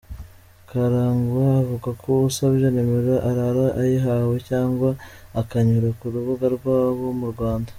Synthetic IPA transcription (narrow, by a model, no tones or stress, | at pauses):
kaɾaːŋɡaːvuɡakʰousaβjanemiɾaʔaɾaɾaʔajiɦawecaːŋɡwaːkaɲuɾakuɾuβuɡaɾɡwaːβo̞muɾɡwaːndḁ